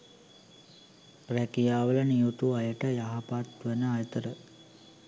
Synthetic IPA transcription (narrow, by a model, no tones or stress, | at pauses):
ɾækijaːʋəlɐnijut̪uɐjəʈəjaɦapat̪ʋənəajət̪əɾə